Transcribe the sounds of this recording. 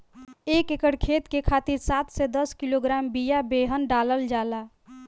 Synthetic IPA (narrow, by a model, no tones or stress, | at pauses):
ekekəɽkʰet̪kekʰat̪iɾsat̪sed̪əskiloɡɾambijabeɦənɖaləld͡ʒaːla